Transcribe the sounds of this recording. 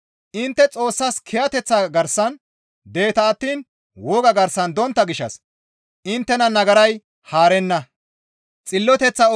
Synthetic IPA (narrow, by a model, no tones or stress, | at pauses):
ʔɪnt̪ːɛt͡sʼo̞ːsːɐskʰɛjɐt̪ɛt͡sːɐɡɐɾsɐn | d̪e̞ːt̪ɐːt̪ːiːn | wɔɡɐɡɐɾsːɐnd̪ɔnt̪ːɐɡɪʃːɐ̰s | ʔɪnt̪ːɛnɐnɐɡɐɾɐj | haːɾɛnːɐ | t͡sʼɪlːɔt̪ɛt͡sːɐ